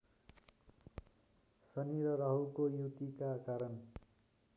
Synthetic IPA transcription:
sʌniɾʌɾʌɦukojut̪ikakaɾʌn

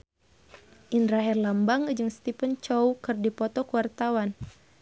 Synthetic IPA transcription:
ʔinɾaɦɛrlambaŋd͡ʒɨŋst̪ipənt͡ʃɔwkɨrdipɔt̪ɔkuwart̪awan

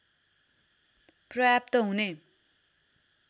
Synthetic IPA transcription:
prʌjap̚t̪ʌɦune

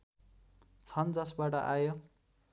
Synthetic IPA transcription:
t͡sʰʌnd͡zʌsbaʈʌ̰ʔajo

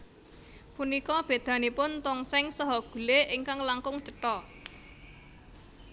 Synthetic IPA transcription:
punikɔb̥e̤d̪̥ä̤nipʊnt̪ɔŋsɛŋsɔɦɔɡ̥ṳleʔɪŋkaŋlaŋkʊŋt͡ʃəʈɔ

